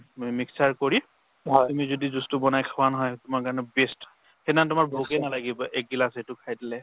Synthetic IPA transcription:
miksaɹkoɹi | ɦɔtumizodizustubɔnajkʰawanɔɦɔjtʊmaɹkaɹɔnɛbest | hedantʊmaɹboɡɛnalaɡibɔʔɛk̚ɡilasetʊkʰajdilɛ

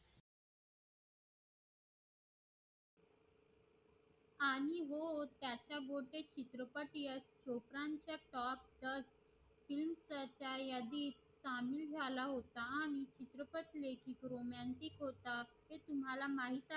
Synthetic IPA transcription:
aɽ̃iɦot̪jat͡ɕjaɡoʈet͡ɕit̪ɾəpəʈiəst͡ɕopɾaɲt͡ɕjaʈɔp̚d̪əs | filmsəɾt͡ɕajad̪iːt̪samild͡zʱalaɦot̪aaɽ̃it͡ɕit̪ɾəpəʈlekiːkɾomaɳʈikɦot̪aɦet̪um̤alamaɦit̪a

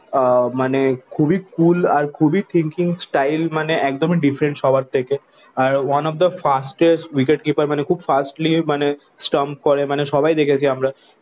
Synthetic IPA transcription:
manekʰubikulaɾkʰubit̪ʰiŋkiŋsʈajlmaneʔɛkd̪omiɖifɾeɳʈsʃɔbaɾt̪ʰeke | aɾwanɔfd̪əfasʈesʈwikeʈ̚kipaɾmanekʰuːbfasʈlimane | sʈamp̚kɔɾemaneʃɔbajd̪ekʰet͡ɕʰiamɾa

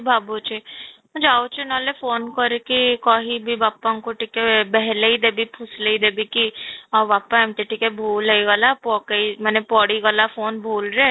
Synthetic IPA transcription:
bʱaːbot͡ʃẽ | d͡ʒaːot͡ʃenɔːlefoːnkəɾekikaɦibʱibaːpːãkoʈikebɛɦleid̪eːbipʰʊsleid̪ebikiɔbaːpːaɛ̃mʈ̪iʈikebʱuːleiɡalapɔːkeimɛːnepɔːɽiɡalafoːnbʱoːlɾe

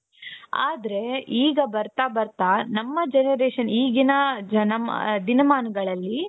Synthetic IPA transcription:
a̰ːd̪ɐɾe̞iːɡɐbɐɾt̪aːbɐɾt̪aːnɐmːɐd͡ʒenɐɾeːʂɐniːɡinɐd͡ʒɐnɐmd̪inɐmaːnɐɡɐɭɐlːi

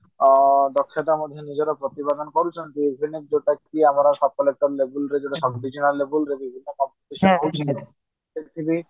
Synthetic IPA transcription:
d̪ɔkʰːet̪amod̪ʱːenid͡ʑeɾapɾot̪ibad̪ɔnkoɾut͡ʃʰent̪ibʱinik̚d͡ʑoʈakʈiamaɾaʃɔb̚kɔlek̚ʈaɾlebulɾed͡ʑeʈaʃɔkɖid͡ʑinallebulɾebibʱinːokɔmpoʈiʃɔnkowt͡ɕʰile | ekt̪ʰibi

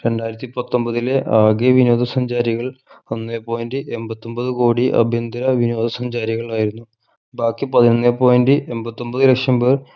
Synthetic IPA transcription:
ɾe̞ɳɖaːjiɾɐt̪ːipɐt̪ːo̞mbɐðile̞ʔaːɡeʋino̞ːd̪ʱɐsɐɲd͡ʑaːɾiɣɐɭonːepoːjndɨʔe̞mbɐt̪ːo̞mbɐðɨkoːɽiʔɐ̰bʱjɐnd̪ɐɾɐʋinoːd̪ʱɐsɐɲd͡ʑaːɾiɣɐɭaːjiɾunːu | baːkːipɐðinonːepoːjndɨʔe̞mbɐt̪ːo̞mbɐðɨlekʂɐmbɐr

